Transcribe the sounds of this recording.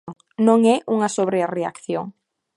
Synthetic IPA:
nõŋɛʔuŋɐsoβɾearea̰kθjoŋ

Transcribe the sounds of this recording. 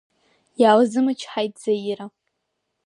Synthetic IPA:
jaːlzɨmɨt͡ʃʰħajt̚ʰʼd͡z̥ajiɾa

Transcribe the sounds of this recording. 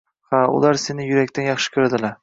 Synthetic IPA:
haʊ̰lˠaɾse̞nɪjʊɾakʲt̪ʰanjɑχʃɪ̥kʲʰʊɾd̪ɪlaɾ

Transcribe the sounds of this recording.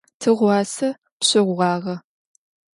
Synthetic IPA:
tʰɨʁʷɑːsɐ | pɕɪʁʷʁɑːʁɐ

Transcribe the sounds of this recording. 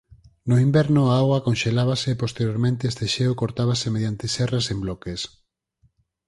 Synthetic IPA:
noimbɛɾnʊaaɣwakonʃelaβaseːpost̪eɾjoɾmẽnt̪eest̪eʃeʊkoɾt̪aβ̞asemeðjant̪ɪsɛrasemblɔkes

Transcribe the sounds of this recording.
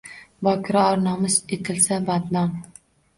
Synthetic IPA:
bɒkʲʰɪɾɑɒɾnɒmɪzet̪ʰɪlsabat̪nɒn

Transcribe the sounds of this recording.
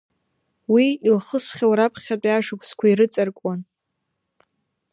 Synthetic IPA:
wiilχəsχʲawɾapʰχʲatʼaʂɨkʷʼskʷʰaiɾɨt͡sʼarkʷʼan

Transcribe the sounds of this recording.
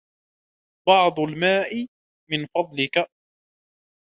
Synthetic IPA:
bɑʕd̪ˤʊlmaːʔɪ | mɪnfɑd̪ˤlɪka

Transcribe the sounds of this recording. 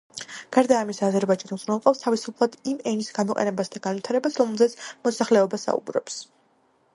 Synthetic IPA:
ɡ̥aɾd̪aːmisaːzɛɾbaid͡ʒand̪zunɛlˠqʼɔfst̪ʰavisupʰlˠad̪imɛnisɡanmɔqʼɛ̰nɛbasd̪aɡ̥anvit̪ʰaɾɛbasɾɔmɛlˠzɛt̪sʰmɔsaχlɛɔbasa̰ṵbɾɔ̰ps

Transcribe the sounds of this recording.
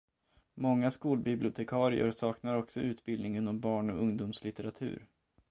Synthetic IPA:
mɔŋːaskuːlbɪblɪʊt̪ʰɛkʰɑːɾɪ̰ə̰ɾsɑːknaɾɔksɔʉ̟ːt̪bɪld̪nɪŋɪnɔmbɑːɳɔɵŋd̪uːmslɪt̪ɛɾat̪ʰʉ̟̰ːɾ

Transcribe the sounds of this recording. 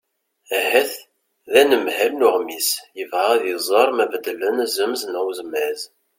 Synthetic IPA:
æhæθ | ðænəmhælnʊʁmisjəvʁaðizˤɑɾˤmævəd̪lənæzəmznəwzmæz

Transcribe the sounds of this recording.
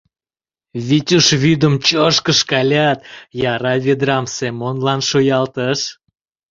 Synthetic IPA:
βʲitʲuʃβyd̪əmt͡ɕoʃkəʃkɑlʲɑt̪jɑɾɑvʲed̪ɾɑmsemonlɑnʃojɑlt̪əʃ

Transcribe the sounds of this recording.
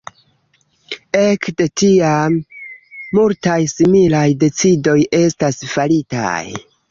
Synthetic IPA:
e̞kde̞tiamː | ultajsimilajde̞t͡sido̞je̞stasfalita̰j

